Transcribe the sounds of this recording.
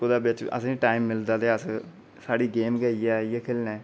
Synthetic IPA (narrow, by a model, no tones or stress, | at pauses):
kʊd̪aːbɪt͡ʃə̰sãːʈaːimːɪld̪aːd̪eːəs | saːɽiːɡeːmɡəiɛːjeːkʰɪlnɛ̃ː